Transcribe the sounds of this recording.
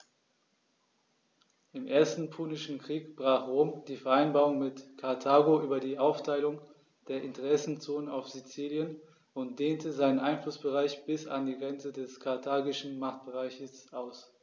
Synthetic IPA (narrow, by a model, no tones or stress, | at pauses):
ʔɪmʔeːɐstn̩pʰuːnɪʃn̩kʁ̥iːkb̥ʁaːχʁoːmd̥iːfɛɐʔaɪnbaːʁʊŋmɪtkʰaɐtʰaːɡoʔyːbɐdiːʔaʊftʰaɪlʊŋ | d̥eːɐʔɪntəʁɛsn̩t͡soːnənaʊfz̥it͡siːljən | ʊnt̚d̥eːntəzaɪnənʔaɪnflʊsb̥əʁaɪçb̥ɪsa̰ndiːɡʁɛnt͡sədɛskʰaɐtʰaːɡɪʃn̩maχt̚b̥əʁaɪçəsʔaʊs